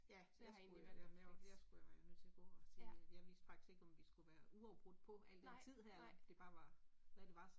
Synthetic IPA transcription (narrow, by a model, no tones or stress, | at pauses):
jæ | jɑseɡnuiæɐd̥æɐ̰mefleɐsɡ̥ujaʋɑjanøð̰ˠt͡sʰe̝ɐɡ̥ɔ̰ːɒt͡sʰeŋæ̥jɑ̈ʋḭːsd̥fɑ̈ɡ̥d̥i̥sɡe̝ɡ̥ɒ̽mʋisɡ̥uʋæːɐuɑ̈ʊb̥ʁɔd̥̚pʰɒ̽ʔæl̰d̥ent͡sʰið̰ˠɦæɐ̰d̥e̝b̥ɑ̈ːʋɑ̈ʋæd̥e̝ʋɑ̈